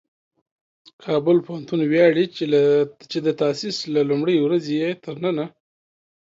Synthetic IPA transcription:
kʰɑbʊlpohant̪unwjɑɽi | t͡ʃed̪ət̪asislalumɽəjwɾazejet̪ʰəɾnəna

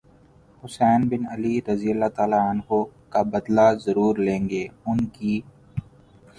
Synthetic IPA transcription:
hʊsɛːnbɪnɐliɾɐzijəlːaːt̪aːlaənɦokabɐd̪lazɐɾuːɾlẽːŋɡeːʊnkiː

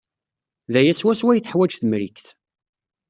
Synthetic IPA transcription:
ðæjæswæswæjθəħwæd͡ʒθəmɾikθ

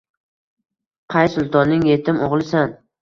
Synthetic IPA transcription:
qʰɑjsʊlˠt̪ʰɒnːɪŋje̞t̪ʰɪmoʁlˠɪsan

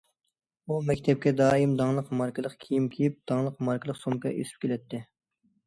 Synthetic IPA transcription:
umɛkʲt̪ʰɛp̚kʲɛd̪ɑːimd̪ɑŋlˠəqmɑɾkʰɨlˠəqkʲʰijimkʲʰijip̚d̪̥ɑŋlˠəqmɑɾkʰəlˠəqsomkɑʔḛsi̥p̚kʲʰelɛt̪ʰːɪ

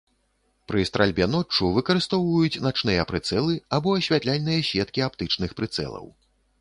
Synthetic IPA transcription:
pɾɨst̪ɾalʲbʲɛnɔt͡ʂːuvɨkɐɾɨst̪ɔwvɐjut͡sʲnat͡ʂnɨjɐpɾɨt̪sɛlˠɨabɔɐɕʲvʲat̪lʲalʲnɨjɐɕʲvʲɛt̪̚kʲiapt̪ɨt͡ʂnɨxpɾɨt̪sɛ̰lˠɐ̰w

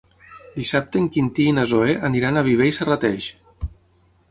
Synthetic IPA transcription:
d̪isap̚t̪eŋkint̪iːnazoeʔəniɾanaβiβ̞ejsarat̪ɛʃ

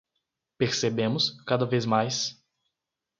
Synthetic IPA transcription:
peɾsebẽmʊskad̪ɐvezmajs

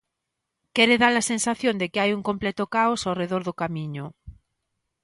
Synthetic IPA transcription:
kɛɾɪðalɐsensaθjond̪ɪkɪajuŋkomplɛt̪ʊkaosawreðoɾðʊkamiɲʊ

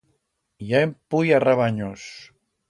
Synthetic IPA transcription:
jaempujaraβaɲos

